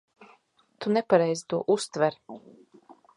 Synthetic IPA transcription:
t̪unepaɾɛjzi̥t̪uɔʔust̪vɛɾ

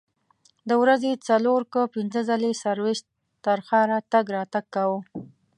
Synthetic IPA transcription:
d̪əwɾazet͡saloɾkəpɪnzəzalesaɾweʃt̪ | t̪ːaɾxɑɾat̪aɡɾɑt̪aɡ̚kawə

